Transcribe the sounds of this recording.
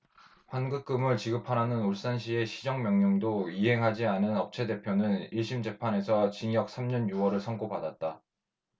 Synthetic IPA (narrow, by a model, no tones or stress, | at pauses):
ɸwanɡɯk̚k͈ɯmɯɭt͡ɕiɡɯpʰananɯnoɭs͈anɕʰie̞ɕʰid͡ʑʌŋmjʌŋɲoŋdoiɦe̞ŋɦad͡ʑianɯnʌp̚t͡ɕʰe̞de̞pʰjonɯniɭɕ͈ʰimd͡ʑe̞pʰane̞sʰʌt͡ɕiŋjʌk̚s͈ʰamɲʌnjuwʌɾɯɭsʰʌŋɡobadat̚t͈a